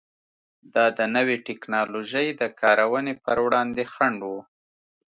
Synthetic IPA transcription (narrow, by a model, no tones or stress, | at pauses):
d̪ɑd̪ənəweʈɪknɑloʒəjd̪əkʰɑɾawənepəɾwɽɑnd̪exaɳɖwu